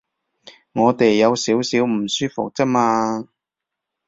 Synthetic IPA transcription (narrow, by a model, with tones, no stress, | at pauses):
ŋɔː˨˧t̪e˨jːɐ˨˧wsiː˨˥wsiː˨˥wm̩˨˩syː˥fʊ˨k̚t͡sɐ˥k̚maː˧